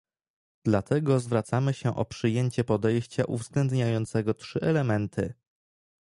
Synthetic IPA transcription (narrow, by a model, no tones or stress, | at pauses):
d̪lat̪ʰɛɡɔzvɾat̪samɘɕɛʔɔpʂɘjeɲt͡ɕɛpɔd̪ɛjɕt͡ɕaʔuvzɡlɛnd̪ɲajɔnt̪sɛɡɔtʂɘʔɛlɛmɛnt̪ʰɘ